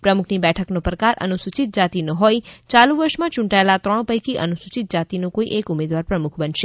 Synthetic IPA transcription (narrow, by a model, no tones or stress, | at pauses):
pɾəmukʰnibɛʈʰəknopɾəkaɾʔə̰nusut͡ʃit̪̚d͡ʒat̪inoɦojt͡ʃalũʋəɾʃmãt͡ʃũɳʈaelat̪ɾəɳ̃pəjkiʔənusut͡ʃit̪̚d͡ʒat̪inõkoiʔekumed̪ʋaɾpɾəmukʰbənʃe